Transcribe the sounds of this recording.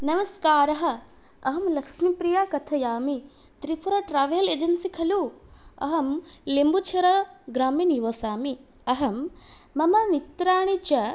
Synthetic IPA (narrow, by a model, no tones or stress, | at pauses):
nɐmɐskaːɾɐɦɐ̆ | ɐɦɐmlɐkʂmipɾijakɐt̪ʰɐjaːmi | t̪ɾipʰɐɾɐʈɾaːʋjɐleːd͡ʒɐnsikʰɐluːɐ̰ɦɐmlembut͡ʃʰɐɾɐɡɾaːminiʋɐsaːmi | ɐɦɐmːɐmɐʋit̪ɾaːɳ̃it͡ʃɐ